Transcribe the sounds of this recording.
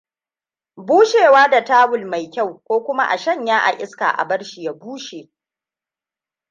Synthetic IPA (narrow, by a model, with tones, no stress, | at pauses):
buː˦ʃeː˨waː˦da˨taː˦wʊ˨lma˨jkʲa˦˨wkʷoː˦kʷʊ˦ma˦ʔa̰˨ʃɐ˦ɲjaː˦ʔa̰˨ʔɪ˦ska̰ː˨ʔa̰˨bɐ˦ɽʃi˨ja˦buː˦ʃeː˨